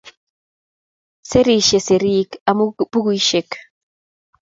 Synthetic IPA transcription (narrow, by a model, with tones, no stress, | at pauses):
se˦ɾi˨ʃe˨se˨ɾi˦ka˨mu˦bu˦ɡui˦ʃe˨k